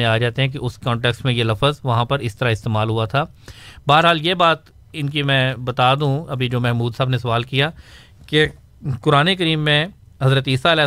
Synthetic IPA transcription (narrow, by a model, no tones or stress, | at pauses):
ẽaːd͡ʒaːt̪eɦɛ̃k̬iʔʊskɔ̃ːɳʈeːksʈmẽjelɐfəzʋɐɦãpɐɾɪst̪əɾaɪst̪eːmaːlɦuat̪ʰaːbaːəɾɦaːljebaːt̪ | ɪnkimɛ̃bɐt̪aːd̪ũũɐbʱid͡ʒoːmɛɦmuːd̪saːbnesɐʋaːlkija | ke | kʊɾaːnekəɾiːmːẽ | ɦɐzɾət̪iːsaɪlɛː